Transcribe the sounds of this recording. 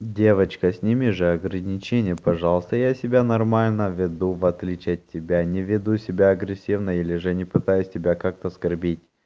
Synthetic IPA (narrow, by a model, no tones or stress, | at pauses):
dʲe̞vət͡ɕkəsʲnʲɪmʲɪʐɨɐɡɾənʲɪt͡ɕenʲɪjəpɐʐɑlˠəst̪əjasʲɪbʲanɐrmalʲnəvʲɪd̪uvɐt̪lʲit͡ɕɪɐtʲːɪbʲanʲɪvʲɪd̪usʲɪbʲaɐɡɾʲɪsʲivnəilʲɪʐɨnʲɪpɨt̪ajʊsʲtʲɪbʲakak̚t̪əskɐrbʲitʲ